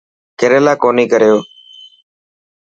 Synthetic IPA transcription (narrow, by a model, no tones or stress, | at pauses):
keːɾeːlaːkoːniːkəɾjoː